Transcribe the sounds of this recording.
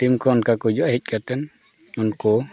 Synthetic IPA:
timkɔnkakud͡ʒɔaɦic̚ˀkʰat̪ɛn | unkɔ

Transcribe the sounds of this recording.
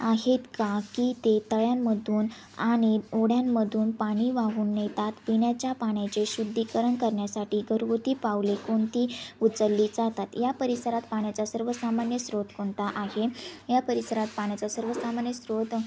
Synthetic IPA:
aɦet̪kakiːt̪et̪əɭjamːəd̪ʱuːn | aɽ̃ioɽjamːəd̪ʱuːnpaɽ̃iːʋaɦuːnːet̪at̪piɳjat͡ɕjapaɳjat͡ɕeɕud̪ʱːikəɾəɳkəɾɳjasaʈiːɡʱəɾuʋut̪iːpaʋlekoɳt̪iːut͡səlːid͡zat̪at̪japəɾisəɾat̪paɳjat͡sasəɾʋəsamanjəsɾot̪kʰoɳt̪aʔaɦejapəɾisəɾat̪̚paɳ̃jat͡sasəɾʋəsamanjəsɾot̪

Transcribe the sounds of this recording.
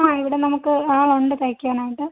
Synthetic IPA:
aːiʋiɽenɐmukːɨaːɭoɳɖɨt̪ɐjkʲːuʋɐnaːjiʈːɨ

